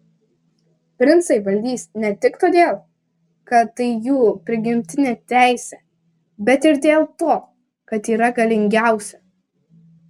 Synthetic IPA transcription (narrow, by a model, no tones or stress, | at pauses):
pʲɾʲɪnt̪sɐɪʋɐlʲd̪ʲiːsʲnʲɛt̪ʲɪkt̪oːd̪ʲeːlˠ | kɐɐɪjuːpʲɾʲɪɡʲɪmʲt̪ʲɪnʲet̪ʲæˑɪsʲɛ | bʲɛt̪ɪɾd̪ʲeːlˠt̪oː | kɐt̪iːɾɐɡɐlʲɪŋʲɡʲæˑʊsʲɛ